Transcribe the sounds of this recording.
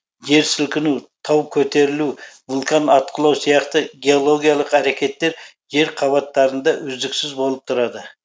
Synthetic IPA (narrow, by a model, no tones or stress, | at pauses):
ʒe̞ɾsɪlkʲɪnut̪ʰɑwkʲʰɵt̪e̞ɾɪluvʊlˠk̪ʰɑnɑt̪̚qʰəlˠɑwsijɑqt̪əɡʲe̞o̞lˠo̞ɡʲijɑlˠəqæɾe̞kʲe̞t̪ːe̞ɾ | ʒe̞ɾqʰɑβɑt̪ːɑɾənd̪ɑʔʏzd̪ɪksɪzbo̞lˠəp̚t̪ʰʊɾɑd̪ə